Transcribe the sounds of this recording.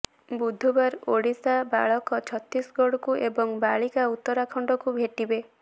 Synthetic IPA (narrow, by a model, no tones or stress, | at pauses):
bud̪ʱːubaɾoɽisaba̰ɭɔkɔt͡ʃʰɔt̪ːisɡɔɽɔkuʔebɔŋbaɭikaut̪ːɔɾakʰɔɳɖɔkubʱeʈibe